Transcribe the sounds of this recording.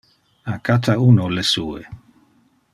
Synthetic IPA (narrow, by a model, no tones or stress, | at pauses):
akat̪ʰaunolesuːḛ